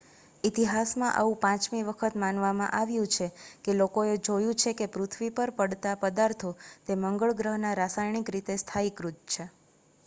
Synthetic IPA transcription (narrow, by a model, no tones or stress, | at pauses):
it̪iɦasmãʔa̰ũpãt͡ʃmiʋəkʰət̪manʋamã̰ʔaʋjũt͡ʃʰekelokoed͡ʒojũt͡ʃʰekepɾut̪ʰʋipəɾpəɽt̪apəd̪aɾt̪ʰot̪eməŋɡəɭɡɾəɦnaɾasajɳikɾit̪est̪ʰaikɾut̪̚t͡ʃʰe